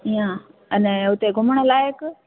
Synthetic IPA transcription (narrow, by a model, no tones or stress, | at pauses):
ijãənɛ̃ʊt̪eɡʱʊməɽ̃ə̆laːjɪk